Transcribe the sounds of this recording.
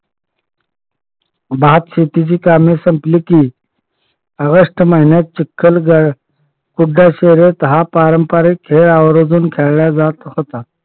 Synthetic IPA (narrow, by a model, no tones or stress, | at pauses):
baːt̪ɕet̪id͡ʑiːkaːmesɐmpliki | əɣəʂʈmaɦinet̪̚t͡ɕikʰːəlɡəɽ | kuɖːaɕeɾet̪ɐɦapaːɾəmpaɾikʰːeːɾaːwɾod͡zuːnkʰelɭjad͡zaːt̪xət̪a